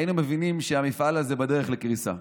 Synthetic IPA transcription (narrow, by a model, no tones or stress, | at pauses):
inumevinimʃeamifʔalazebade̞ʁeχlekʁisa̰